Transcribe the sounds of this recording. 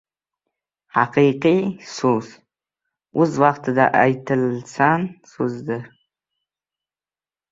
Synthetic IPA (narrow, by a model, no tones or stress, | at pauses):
ħaqiqisus | uzwaqt̪ʰd̪a̰ʔa̰jtʰɨlt͡sʰansuzd̪ɨ